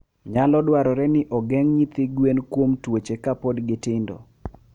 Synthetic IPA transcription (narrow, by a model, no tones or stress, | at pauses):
ɲalɔdwaɾɔɾɛnɪʔɔɡɛŋɲit̪ɪɡwenkwomtwot͡ʃekapodɡɪtɪndo̰